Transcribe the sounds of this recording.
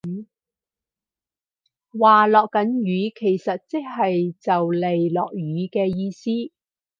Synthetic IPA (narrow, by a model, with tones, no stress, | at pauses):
waː˨lɔː˨kːɐ˨˥njyː˨˥kʰe˨˩jsɐ˨t̚t͡sɪ˥k̚hɐ˨jt͡sɐ˨wle˨jlɔ̰ː˨k̚ɥyː˨˧kɛː˧jiː˧siː˥